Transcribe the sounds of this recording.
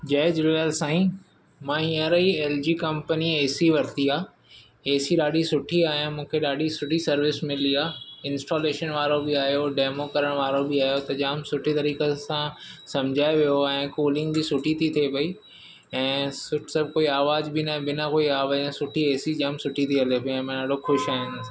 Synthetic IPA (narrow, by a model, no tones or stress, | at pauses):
d͡ʑɐːd͡ʑɪlːeːlsãːĩ | mãiəɾəieːld͡ʑiːkɐ̃mpənieːsiʋɐɾt̪iaː | eːsiɗaːɗisʊʈʰiaːɦijãmũːkʰeɗaːɗʱisʊʈʰisɐɾʋɪsmɪliaːɪ̃nsʈoːleːʃənʋaːɾobɪaːɦijoɖeːmokɐɾəɽ̃ʋaːɾobɪaːɦijot̪ɐʄaːmsʊʈʰit̪ɐɾiːkesãsɐ̃md͡ʑʱaːeʋijoɛ̃ːkoːlɪ̃ŋɡbisʊʈʰit̪ʰit̪ʰepɐi | ɛ̃ːsʊsɐb̚ʱkoːiaːʋaːzbɪnãbɪnãkoːiaːʋaẽsʊʈʰieːsid͡ʑaːmsʊʈʰit̪ʰiɐlepoɛ̃ːmãɗaːɖoxʊʃaːɦɪ̃n